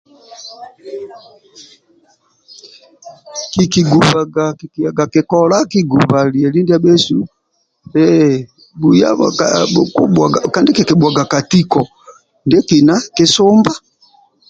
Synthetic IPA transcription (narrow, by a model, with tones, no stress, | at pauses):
ki˨ki˨ɡu˨βa˨ɡa˨ki˨ki˨a˨ɡa˨kɛ˨kɔ˦la˦ki˦ɡu˨βa˨li˨ɛ˨li˦ndi˦a˦bɛ˦su˦ | ɛ | ɡu˨ja̰˦ | ku˦ɓa˨ɡka˨ndi˦kɛ˨ki˨ɓwa˨ɡa˨ka˨ti˦kɔ˨ | ndɛ˦ki˨na˦ki˦sɔ˦mba˦